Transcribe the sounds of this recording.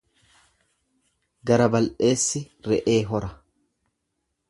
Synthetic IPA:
ɡɐɾɐbɐlʔe̞ːsːɪ | ɾɛʔeːɦɔɾɐ

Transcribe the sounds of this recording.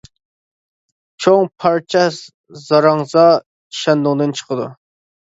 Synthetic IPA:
t͡ʃʰoŋpʰɑɾt͡ʃʰɛ | zɑɾɑŋzɑ | iʃɛnd̪ʊŋd̪ɨnt͡ʃʰə̥qʰəd̪ṵ

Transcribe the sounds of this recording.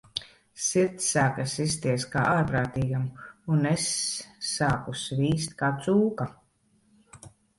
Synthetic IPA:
siɾt̪sːaːkasist̪iɛskaːʔaːɾpɾaːt̪iːɡamunesː | aːkusviːst̪̚kaːt̪suːka

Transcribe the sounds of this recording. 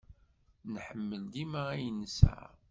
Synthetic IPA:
nħəmːəld̪imaæjənəsæ̰

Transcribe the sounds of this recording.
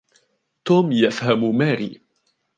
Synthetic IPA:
t̪uːmjafhammaːɾḭː

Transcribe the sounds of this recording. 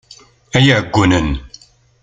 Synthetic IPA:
æjæəɡʷːunən

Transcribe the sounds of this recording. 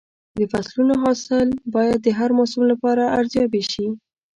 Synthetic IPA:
d̪əfaslunoɦɑsɪlbɑjad̪̚ːəɦaɾmɑsumlapɑɾaaɾzjɑbeʃi

